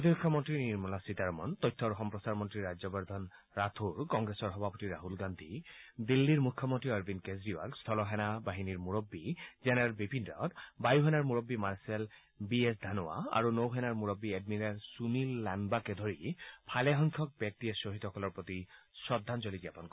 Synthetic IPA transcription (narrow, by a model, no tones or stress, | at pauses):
pɹot̪ibɔkʰːɔmɔntɹiniɹmɔlasit̪aɹmɔ̰ntɔjtʰːɔɹɔxɔmpɹɔsaɹmɔntɹiɹajzɔbɔɹd̪ʱɔn | ɹat̪ʰuɹkɔŋɡɹɛsɔɹɦɔbʱapɔtiɹaɦulɡand̪ʱid̪ilːiɹmukʰːɔmɔntɹiaɹbinkezɹiwa̰lst̪ʰɔlɔɦɛnabaɦiniɹmuɹobːizɛnɛalbipindɹɔ̰tbajuɦɛnaɹmuɹobːimaɹsɛl | biɛsd̪ʱanɔa̰a̰ɹunowɦɛnaɹmuɹobːied̚miɹaɹsunilːanbakɛd̪ʱoɹipʰalɛɦɔŋkʰɔk̚bjɔk̚tiɛsoɦit̪ɔɦɔkɔlɔɹpɹot̪isɹɔd̪ʱːanzɔliziapɔnk